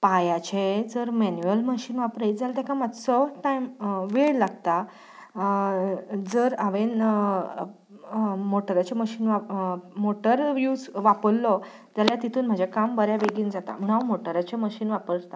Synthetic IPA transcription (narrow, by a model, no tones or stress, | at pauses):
pajat͡ɕed͡zəɾmɛnjuəlməɕiːnʋapɾajd͡zalt̪akʰãmad̪sɔʈajmʋeɭlaɡt̪a | d͡zəɾaʋen | moʈəɾat͡ɕeməɕiːnʋamoʈəɾʋjud͡zʋapəlːɔ | d͡zaljat̪it̪ʰuːnm̤ad͡ʑʱakambəɾjaʋeɡiːnd͡zat̪a̰m̤əɽ̃amoʈəɾat͡ɕeməɕiːnʋapəɾɾt̪a